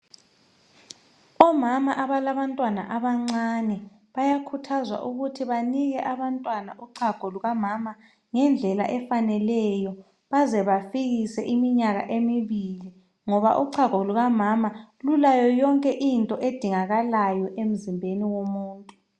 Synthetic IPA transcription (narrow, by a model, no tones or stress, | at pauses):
ɔmamaʔaβalaβantʼwana̰ʔaβaŋ͡ǀanɛ | βajakʰutʰazwa̰ʔuɣutʰiβaniɣɛʔaβantʼwanaʔuǃʰaɡ̥ʱoluɣamama | ŋɛnd͡ɮʱɛla̰ʔɛfanɛlɛjɔ | βazɛβafiɣisɛʔimiɲaɣa̰ʔemiβili | ŋɔβa̰ʔuǃʰaɣ̥ʱoluɣamamalulajɔjɔŋkʼɛʔintʼɔʔed̥ʱiŋaɣalajɔʔem̩zimbʱeniwomuːntʼu